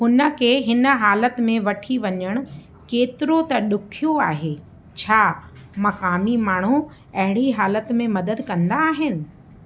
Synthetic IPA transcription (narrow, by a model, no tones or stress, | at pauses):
ɦʊnə̆kʰeːɦɪnə̆ɦaːlət̪mẽʋɐʈʰiʋɐɲəɽ̃ʊ̆ | keːt̪ɪɾot̪ɐɗʊkʰijoaːɦeː | t͡ɕʰaː | mɐkaːmimaːɳ̤u | ɐɦɪɽ̃iɦaːlət̪mẽmɐd̪əd̪kɐ̃nd̪aːɦɪnɪ̆